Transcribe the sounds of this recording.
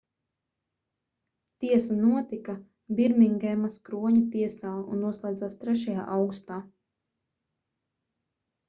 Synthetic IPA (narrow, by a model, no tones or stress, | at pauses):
t̪iɛsanuɔt̪ika | biɾmiŋɡɛːmaskɾuɔɲat̪iɛsaːṵnːuɔslˠɛjd̪zaːst̪ɾɛʃaja̰ːʔawɡust̪aː